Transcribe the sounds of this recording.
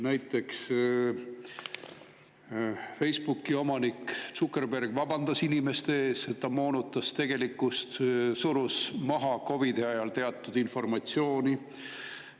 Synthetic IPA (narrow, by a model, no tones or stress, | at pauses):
næjt̪ˑːe̞ks | fe̞jspukːˑio̞mɑnikt̪sukːˑe̞rpe̞rɡ̥vɑbɑnd̪ɑsinime̞st̪eeːse̞t̪ːɑmo̞ːnut̪ːˑɑst̪e̞ɡ̥e̞likːust̪suɾusmɑɦɑko̞vid̪̥e̞ɑjɑlt̪e̞ɑt̪ːˑud̪info̞rmɑt̪sjo̞ːni